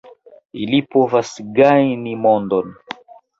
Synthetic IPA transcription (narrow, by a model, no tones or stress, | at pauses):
ilipovasɡajnimondon